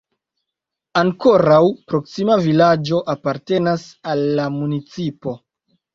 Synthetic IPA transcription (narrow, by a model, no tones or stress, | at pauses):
aŋko̞ɾawpɾo̞ksimavilad͡ʒo̞ʔapaɾte̞nasalːamunit͡sipo̞